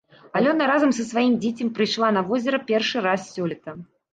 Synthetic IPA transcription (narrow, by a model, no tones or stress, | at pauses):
ɐlʲɔnɐɾazɐmsɐsvajimd͡zʲet͡sʲɐmpɾɨjʂlˠanɐvɔzʲɛɾɐpʲɛrʂɨɾassʲɔlʲɛt̪ɐ